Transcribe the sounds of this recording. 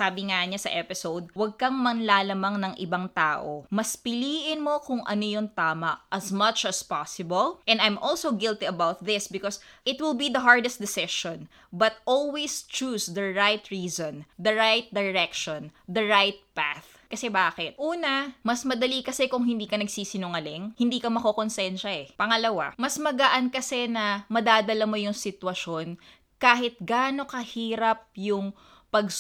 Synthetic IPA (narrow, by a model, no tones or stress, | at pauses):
saːbɪŋaɲasɐʔɛpɪsowd̪̚wɐɡ̚kɐŋmɐnlaːlɐmaŋnɐŋʔɪbaŋt̪aːʔo̰mɐspɪliːʔɪnmo̞kʊŋʔɐ̰nojʊŋt̪aːmɐʔɐsmɐt͡ʃɐspasɪbɐlʔɛ̃nd̪ajmʔɔlsowɡɪlt̪iɐbawt̪̚ðɪsbɪkɔsʔɪt̪̚wɪlbid̪ɐɦaɹd̪ɛst̚d̪ɪsɪʃɔ̃n | bɐt̪̚ʔolwist͡ʃuːsd̪ɐɹajt̪ɹiːzɔ̃nd̪ɐɹajt̪̚d̪ɐɹɛkʃond̪ɐɹajt̪̚paθ | kɐsɛbaːkɛt̪̚ʔuːnɐmɐsmɐd̪ɐlikɐsɛkʊŋhɪnd̪iːkɐnɐɡsiːsɪnʊŋɐlɪŋhɪnd̪iːkɐmɐkokonsɛnʃɐɛpɐŋɐlɐwa̰mɐsmɐɡɐʔɐnkɐsɛnɐmɐd̪aːd̪ɐlɐmo̞jʊŋsɪt̪wɐʃo̞n | kaːɦɪt̪̚ɡaːno̞kɐhiːɾɐp̚jʊŋ | pɐɡ